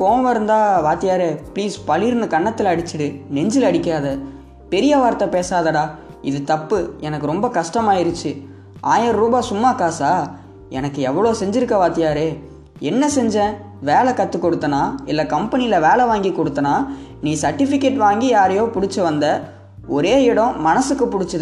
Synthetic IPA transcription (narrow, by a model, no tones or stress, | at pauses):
poːʋɐɾɯnd̪aːʋaːt̪ɪjaːɾeːpɭiːspɐɭɪɾnɯkɐɳːɐt̪ːɪlɐːɽɪt͡ʃːɪɽɯnɛɲd͡ʒɪlɐɽɪkːɪaːðɐ | pɛɾɪjɐʋaːɾt̪ːɐpeːsaːðɐɽaːɪðɯt̪ɐpːɯɛnɐkːɯɾɔmbɐkɐʂʈɐmaːɪɾɯt͡ʃːɯ | ʔaːjɐɾɾuːbaːsʊmːaːkaːsaː | ɛ̰nɐkːɯɛʋːɐɭoːsɛɲd͡ʒɪɾɯkːɐʋaːt̪ɪjaːɾeː | ɛnːɐsɛɲd͡ʒɛ̃ | ʋeːlɐkːɐt̪ːɯkːɔɽɯt̪ːɐnaːɪlːɐkɐmpɐnɪjɪlɐʋeːɭɐʋaːŋɡikɔɽɯt̪ːɐnaː | niːsɐɾʈːɪfɪkːeːʈʋaːŋɡijaːɾɐjoːpʊɽɪt͡ʃːɐʋɐnd̪ɐ | ɔɾeːɪɽɐ̃mɐnɐsɯkːɯpʊɽɪt͡ʃːɐðɯ